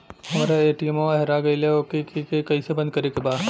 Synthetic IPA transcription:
ɦɐmaːɾaeːʈiɛmoaɦɛɾaɡɐileokekikekɐĩsebɐ̃nd̪̚kɐɾekebaːd̪

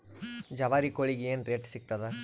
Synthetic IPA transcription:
d͡ʒɐʋaːɾikoɭiɡeeːnɾeːʈsik̚t̪ɐd̪e

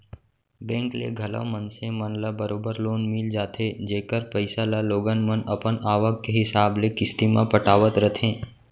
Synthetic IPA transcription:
bɛ̃ːŋklḛɡʱɐlə̰mənsemənlabəɾoːbəɾloːnmɪld͡ʒaːt̪ʰed͡ʒeːkəɾpəɪsalaloːɡənmənɐpənaːʋəkːeɦɪsaːblekɪst̪imã̰pəʈaːʋət̪ɾət̪ʰẽː

